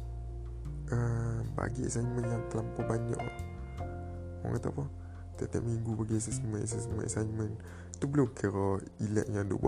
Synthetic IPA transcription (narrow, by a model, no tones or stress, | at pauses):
ʔəba̰ɡiɛ̰sajnmənjaŋt̪əlampɔbaɲa̰ʔ | mɔ̰ŋkat̪apɔ | t̪ɛt̪ɛʔ̚miŋɡubaɡis̬əsmənʔɛ̰s̬asmənʔa̰sajnmən | t̪ubəlukʰəɾɔ | ilɛ̰ʔ̚ɲãdṵʔba̰ʔ